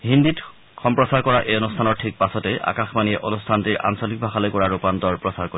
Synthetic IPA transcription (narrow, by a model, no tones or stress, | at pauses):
ɦindit | xʰɔmpɹɔsaɹkɔɹaʔejonustʰanɔɹtʰik̚pasɔtɛʔa̰kaxmaniɛʔonustʰantiɹʔa̰nsolik̚bʱaxalɔjkɔɹaɹupantɔɹpɹɔsaɹkoi